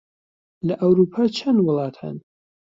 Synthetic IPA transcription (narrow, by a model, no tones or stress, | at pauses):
lɐʔɐwɾuːpʰaːt͡ʃʰɐnwʊlˠɑːt̪ʰa̰n